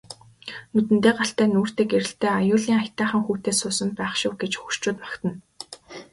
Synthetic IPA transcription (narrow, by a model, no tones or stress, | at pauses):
nut̪ɘ̆nt̪eːɢaɬt̪æːnuːr̥t̪eːkeɾɘ̆ɬt̪eːajʊːɮiːŋaxʲt̪æːχə̆ŋxuːt̪eːsʊːsə̆mpæːχʃʊ̆wɡet͡ɕxɵr̥t͡ɕʊːt̪pḁkt̪ə̆n